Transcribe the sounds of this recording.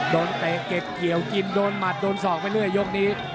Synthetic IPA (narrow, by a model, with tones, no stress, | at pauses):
doː˧nt̪eː˨˩ke˨˩p̚ki˨˩˦əwki˧ndoː˧nma˨˩t̪̚doː˧nsɔː˨˩k̚pa˧jlɯ˥˩əjːo˦˥k̚niː˦˥